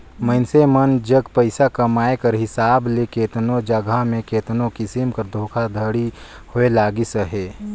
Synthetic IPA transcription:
mənsemənd͡ʒəɡpəɪsakəmaːekɐɾɦɪsaːblekeːt̪nod͡ʒəɡʱamẽkeːt̪nõkɪsimkəɾd̪ʱoːkʰad̪ʱəɽi | hʊelaːɡisəɦeː

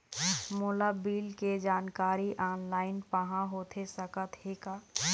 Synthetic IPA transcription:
moːlabiːlked͡ʒaːnkaːɾiʔaːnlaːɪnpəɦãɦoːt̪ʰesəkət̪heːkaː

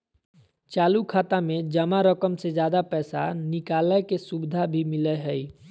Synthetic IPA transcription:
t͡ʃaːlukʰaːt̪amẽd͡ʒəmaɾəkəmsed͡ʒjaːd̪apɛːsa̰nɪkaːləkesubɪd̪ʱabʱimɪleɦɛi

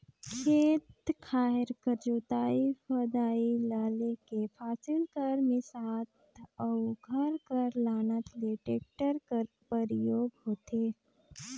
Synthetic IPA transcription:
kʰeːt̪kʰaːɪɾkəɾd͡ʒuːt̪aːifəd̪aːilaːlekepʰaːsɪlkɐɾmɪ̃saːt̪əuɡʱɐɾkɐɾlaːnət̪leʈeːk̚ʈəɾ | pəɾjoːɡɦoːt̪eː

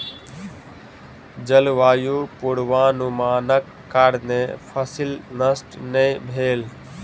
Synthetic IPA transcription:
d͡ʒəlʋaːjuːpuɽʋaːnumaːnəkːaɽnẽːpʰəsɪlnəsʈnẽbʱeːl

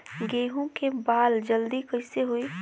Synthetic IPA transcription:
ɡeːɦõkebaːld͡ʒəld̪ikɐɪseɦʊi

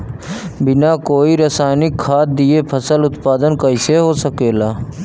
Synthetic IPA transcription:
bɪnakoːiɾəsaːɪnɪkʰːaːt̪̚d̪iepʰəsəlʊt̪paːd̪ənkaɪseɦoːsəkeːlaː

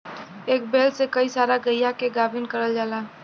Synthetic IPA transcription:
eːk̚beːlsekəisaːɾaɡəjakeɡabʱinkəɾəld͡ʒaːla

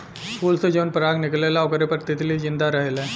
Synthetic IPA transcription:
skuːlsed͡ʒonpəɾaɡnɪklelaɔkəɾepəɾt̪ɪt̪ʰlid͡ʒɪ̃nd̪aɾəɦelɛ̃

